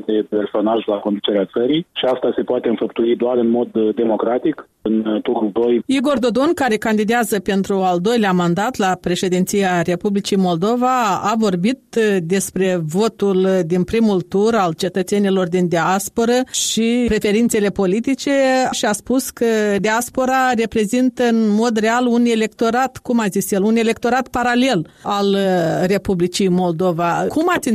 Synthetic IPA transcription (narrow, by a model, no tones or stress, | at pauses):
d̪e̞pe̞rso̞naʒlako̞nd̪ut͡ʃe̞ɾeat̪səɾijʃiast̪ase̞poat̪e̞ɨnfəpt̪uid̪oarɨnmo̞d̪ːe̞mo̞kɾat̪ik | ɨnt̪uɾuld̪o̞jiɡo̞rd̪o̞d̪o̞nkaɾe̞kand̪id̪eazəpe̞nt̪ɾuald̪o̞jleamand̪at̪lapɾe̞ʃe̞d̪int̪sijaɾe̞publit͡ʃijmo̞ld̪o̞vaavo̞rbit̪d̪e̞spɾe̞vo̞t̪uld̪inpɾimult̪uralt͡ʃe̞t̪ət̪se̞nilo̞rd̪ind̪easpo̞ɾəʃipɾe̞fe̞ɾint̪se̞le̞po̞lit̪it͡ʃe̞ʃiaspuskəd̪easpo̞ɾare̞pɾe̞zint̪əɨnmo̞d̪re̞alune̞le̞k̚t̪o̞ɾat̪kumazisjelune̞le̞k̚t̪o̞ɾat̪paɾale̞lalre̞publit͡ʃijmo̞ld̪o̞vakumat̪si